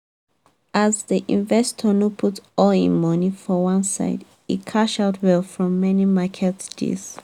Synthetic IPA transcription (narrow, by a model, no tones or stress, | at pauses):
ʔazðiʔĩnvɛstʰənupʰutɔlḭ̃nmɔnifɔwãnsa̰ɪd | ḭtkʰaʃaʊtʰwɛlfɹɔ̃mːɛnimakʰɛtsd̥ḛz̥